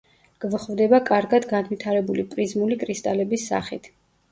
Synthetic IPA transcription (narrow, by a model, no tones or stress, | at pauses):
ɡ̥vχvd̪ɛbakʼaɾɡad̪ɡanvit̪ʰaɾɛbulipʼɾizmulikʼɾist̪ʼalɛbisːa̰χḭt̪ʰ